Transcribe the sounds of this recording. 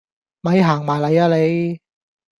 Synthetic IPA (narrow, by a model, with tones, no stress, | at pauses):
mɐ˨˥jɦaː˨˩ŋmaː˨˩jlɐ˨˧jaː˧le˨˧j